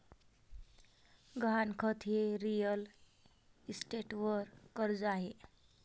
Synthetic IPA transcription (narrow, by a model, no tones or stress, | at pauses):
ɡʱankʰʌt̪ʰieɾijəl | isʈeʈwʌɾkʌɾd͡zaɦe